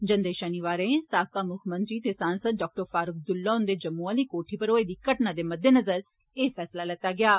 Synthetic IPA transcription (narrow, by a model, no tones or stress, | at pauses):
d͡ʒənd̪eːʃəniʋaːɾẽːsaːkaːmʊkʰmə̃nt̪ɾiːt̪eːsãːnsəd̪̚ɖɔːk̚ʈəɾfaːɾʊk̚ʰd̪ʊlːaːʊ̃nd̪eːd͡ʒəmːũaliːkoːʈʰiːpəɾoːeːd̪iːkəʈnaːd̪eːməd̪ʱːeːnəzəɾ | eːpʰɛːslaːlɛt̪ːaːɡɪaː